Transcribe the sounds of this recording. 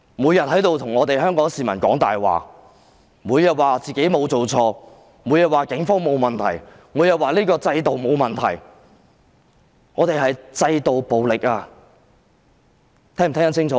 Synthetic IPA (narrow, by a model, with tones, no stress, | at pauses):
mu˨˧jɐ˨t̚hɐ˨˥jt̪o˧wt̪ʰʊ˨˩ŋɔː˨˧t̪e˨jɦœː˥ŋkɔː˨˥ŋsiː˨˩mɐ˨˩nkɔ̰ː˨˥ŋt̪a̰ː˨jwa̰ː˨˩ | muː˨˧˥jɐ˨t̚waː˨t͡siː˨ke˨˥jmo˨˧wt͡so˨wt͡sʰɔː˧ | muː˨˧jɐ˨t̚waː˨kɪ˨˥ŋfɔː˥ŋmo˨˧wmɐ˨˩nt̪ʰɐ̰˨˩j | muː˨˧˥jɐ˨t̚waː˨˩liː˥kɔː˧t͡sɐ˧jt̪o˨wmo˨˧wmɐ˨nt̪ʰɐ̰˨˩j | ŋɔː˨˧t̪e˨jɦɐ˨jt͡sɐ˧jt̪o˨wpo˨wlɪ˨k̚aː˧ | t̪ʰɛː˥ŋm˨˩t̪ʰɛː˥ɐ˧˥nt͡sʰɪ˥ŋt͡sʰɔː˨˦˥